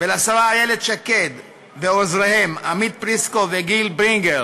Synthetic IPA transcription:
velasaʁaajeled̪ʃaked̪ | veozʁehe̞mamid̪̚pʁiskoveɡilbʁiŋɡeʁ

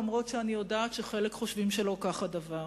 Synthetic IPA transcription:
mʁo̞tʃeanijo̞daːtʃeχe̞lekχo̞ʃvimʃelo̞kaχadava

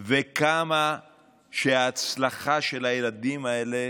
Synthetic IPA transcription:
vekama | ʃeaːt͡slaχaʃe̞lajelad̪imae̞le

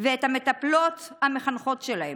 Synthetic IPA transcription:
veet̪hamet̪aplot̪hameχanχo̞tʃelahem

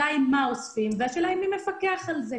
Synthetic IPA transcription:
aimːaosfimveaʃelajmːimefakeaχalze

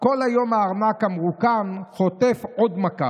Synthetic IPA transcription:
ko̞lajo̞maːʁnakhamʁukanχo̞t̪efʔo̞d̪maka

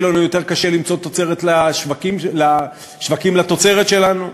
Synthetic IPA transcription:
lanujo̞t̪e̞ʁkaʃelimt͡so̞t̪ot͡se̞ʁet̪laʃvakimla | ʃvakimlat̪o̞t͡se̞ʁet̪ʃe̞lanu

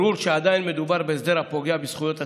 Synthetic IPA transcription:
ɾuɾʃɛad̪ainmɛd̪ubaɾbɛzd̪ɛɾapoɡiabisχujot̪ʰa

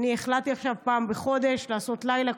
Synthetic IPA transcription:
nieχlat̪iaχʃavpaːmbeχo̞d̪e̞ʃlaːso̞t̪lajla

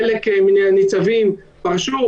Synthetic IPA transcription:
elekmineanit͡savim | paʁʃu

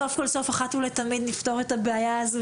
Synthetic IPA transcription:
ofkolso̞faχatulet̪amid̪nifto̞ʁetabeajaːzo

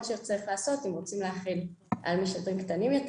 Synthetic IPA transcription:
ʃet͡saʁiχlaːso̞t̪imʁot͡simleaχilʔa̰lmiʃadʁimkt̪animjo̞t

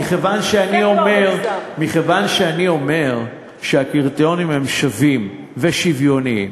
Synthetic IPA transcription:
iχevanʃeaniomeʁmiχevanʃeanio̞me̞ʁ | ʃeakiʁt̪onimhemʃavim | veʃivjo̞niḭm

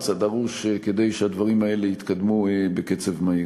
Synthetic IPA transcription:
t͡sad̪aʁuʃeke̞d̪e̞jʃead̪vaʁimae̞le̞it̪kad̪muebeke̞t͡se̞vmai

